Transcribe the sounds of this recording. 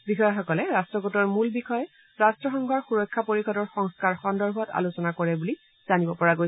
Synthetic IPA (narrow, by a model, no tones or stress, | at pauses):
bixɔjɔxɔkɔlɛɹastɹɔɡotɔɹmulbixɔjɛ | ɹastɹɔxɔŋɡʱɔɹxuɹɔkʰːapoɹixɔdɔɹxɔŋskaɹxɔndɔɹbʱɔta̰lusɔnakɔɹɛbuli | z̥anibɔpɔɹaɡoj